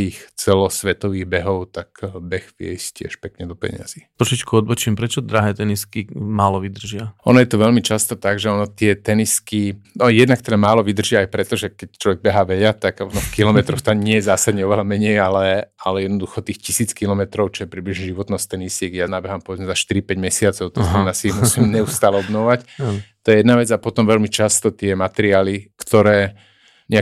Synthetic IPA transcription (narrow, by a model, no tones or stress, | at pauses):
t̪iːxt͡sɛlɔsʋɛt̪ɔʋiːɣbɛɦɔʊt̪akbɛxʋɪɛ̰scɪɛ̰ʃpɛkɲɛd̪ɔpɛ̰ɲɪ̰a̰zit̪ɾɔʃit͡ʃkuɔd̪bɔt͡ʃimpɾɛt͡ʃɔd̪ɾaɦɛːt̪ɛniskimaːlɔʋid̪r̩ʒɪaɔ̰nɔjɛt̪ɔʋɛʎmit͡ʃast̪ɔt̪aɡʒɛɔnɔt̪ɪɛt̪ɛniskinɔjɛd̪nakt̪ɛd̪amaːlɔʋid̪r̩ʒɪaajpɾɛt̪ɔʒɛkɛct͡ʃlɔʋɛɡ̚bɛɦaːʋɛjat̪aɡnɔxkilɔmɛt̪ɾɔxt̪amɲɪɛjɛzaːsad̪ɲɛɔʋɛlamɛɲɛjalɛalɛjɛd̪nɔd̪uxɔt̪iːxcisiːt͡skilɔmɛt̪ɾɔʊt͡ʃɔjɛpɾiːbliʒɲɛʒiʋɔt̪nɔst̪ɛnisɪɛɡjanabɛɦampɔʋɛd͡zmɛzaʃt̪iɾipɛɟmɛsɪat͡sɔʊt̪ɔsinasiimusiːmɲɛust̪alɛɔbnɔʋact̪ɔjɛjɛd̪naʋɛd͡zapɔt̪ɔmʋɛʎmit͡ʃast̪ɔt̪ɪɛmat̪ɛɾiaːlikt̪ɔɾɛː | ɲɛa